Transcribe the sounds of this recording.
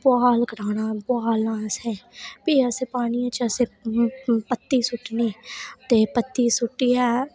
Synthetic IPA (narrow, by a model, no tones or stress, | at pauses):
bʊaːlkəɽaːɽaːbʊaːlãːsɛ̃ːpiːəsepaːnijãːt͡ʃəsẽ | pət̪ːiːsʊʈniːt̪eːpət̪ːiːsʊʈːiːɛː